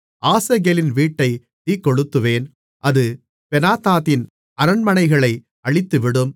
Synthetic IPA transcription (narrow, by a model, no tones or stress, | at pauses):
ʔaːsɐɣelɪnʋiːʈːɐɪ | t̪iːkːɔɻɯt̪ːɯʋeːn | ʔɐðɯ | pɛnaːt̪aːðɪn | ɐɾɐnmɐnɐɪɣɐɭɐɪ | ɐɭɪt̪ːɯʋɪɽɯm